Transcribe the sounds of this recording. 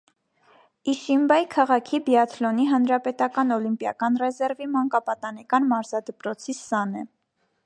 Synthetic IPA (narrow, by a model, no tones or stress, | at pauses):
iʃimbɑjkʰɑʁɑkʰibjɑt̪ʰlɔniɦɑnɾɑpɛt̪ɑkɑnɔlimpjɑkɑnrɛzɛɾvimɑŋkɑpɑt̪ɑnɛkɑnmɑɾzɑd̪əpɾɔt͡sʰisɑnɛ